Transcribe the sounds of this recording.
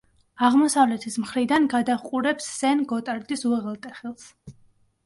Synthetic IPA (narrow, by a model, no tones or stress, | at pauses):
aʁmɔsavlɛt̪ʰismχɾid̪anɡad̪aχqʼuɾɛpsːɛnɡɔt̪ʼaɾd̪isuɛʁɛlˠt̪ʼɛχɛlˠs